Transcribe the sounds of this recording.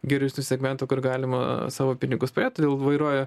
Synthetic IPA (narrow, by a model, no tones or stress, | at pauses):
ɡʲɛɾʲɛʊsʲnʲʊsʲɛɡmʲɛnt̪ʊkʊrɡɑːlʲɪmɐ̰sɑːʋoːpʲɪnʲɪɡʊspɐɾʲeːt̪oːd̪ʲeːlˠʋɐɪɾuɔjɛ